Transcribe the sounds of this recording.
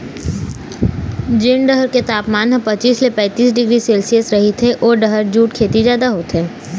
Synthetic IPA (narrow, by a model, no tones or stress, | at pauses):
d͡ʒɪɳɖɐɦəɾket̪aːpmaːnɦə̃pɐt͡ʃiːslepɛ̃ːt̪iːsɖɪɡɾiseːlsijəsɾɐɦit̪ʰeʔɔːɾɖɐɦəɾd͡ʒuːʈkʰeːt̪izjaːd̪aɦoːt̪ɦeː